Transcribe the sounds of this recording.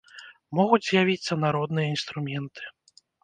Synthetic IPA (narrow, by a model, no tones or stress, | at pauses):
mɔɣud͡zʲzʲjavʲit̪sːɐnaɾɔd̪nɨjɐinst̪ɾumʲɛnt̪ʰɨ̥